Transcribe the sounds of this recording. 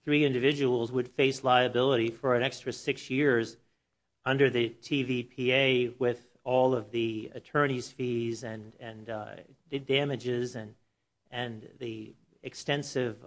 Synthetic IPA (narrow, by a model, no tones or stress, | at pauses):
θɹiɪ̃ndɨvɪd͡ʒɨwl̩ˠzwəd̥feɪslaɪɨbɪlˠəɾifə˞ɨ̃ñɛkstɹ̥ɨsɪksjɪɹz | ʌ̃ndə˞ðɨtʰivipʰieɪwɪð | ɔlˠʌvðiɨ̰tʰɜ̃˞ñiz̥fizɨ̃nɨ̃n | dæmɨd͡ʒɪzɨ̃n | ɨ̃nði | ɨkstɛ̃nsɪv